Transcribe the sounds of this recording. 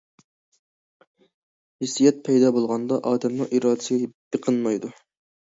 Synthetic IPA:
hisijɛt̪̚pʰɛjd̪ɑːbolˠʁɑnd̪ɑʔɑːd̪ɛmnɨŋʔiɾɑːd̪ɪsɡʲɛbeqʰənmɑjd̪u

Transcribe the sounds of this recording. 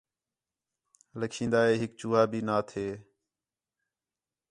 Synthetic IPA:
ləkʰĩːnd̪aːɦeːɦɪkt͡ʃuːaːbʱiːnaːt̪ʰeː

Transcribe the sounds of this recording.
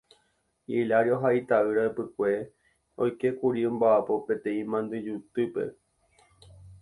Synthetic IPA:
ilaɾjoɦait̪aɨɾaepɨkʷe̞ | o̰jke̞kuɾiõmbaʔapo̞pe̞t̪ẽ̞ĩmãnd̪ɨd͡ʒut̪ɨpe̞̰

